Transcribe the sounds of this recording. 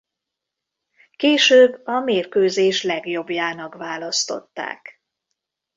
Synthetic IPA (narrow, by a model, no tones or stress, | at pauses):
keːʃøːbːɒmeːrkøːzeːʃlɛɡjo̞bjaːnɒkvaːlɒst̪o̞̰t̪ːa̰ːk